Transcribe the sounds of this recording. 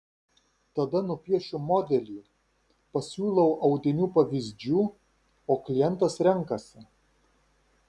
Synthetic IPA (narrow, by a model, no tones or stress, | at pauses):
t̪ɐd̪ɐnʊpʲiɛʃʲʊmɔːd̪ʲɛlʲiː | pɐsʲuːlˠɐʊʔɐʊd̪ʲɪnʲuːpɐʋʲɪzʲd͡ʒʲuː | oːklʲɪjɛnˑt̪ɐsɾʲɛŋˑkɐsʲɪ